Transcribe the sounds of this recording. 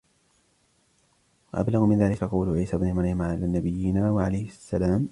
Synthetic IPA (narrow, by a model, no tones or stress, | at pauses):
waʔa̰blaɣmɪnðaːlɪkaqɑwlʊʕiːsabnɪmɑɾˤjamaʕalaːnːabɪjːɪnaːwaʕalajhɪsːalaːm